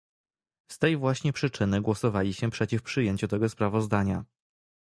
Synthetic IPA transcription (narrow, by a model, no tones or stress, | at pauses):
st̪ɛjvwaɕɲɛpʂɘt͡ʂɘnɘɡwɔsɔvalʲiɕɛpʂɛt͡ɕifpʂɘjeɲt͡ɕut̪ɛɡɔspɾavɔzd̪aɲa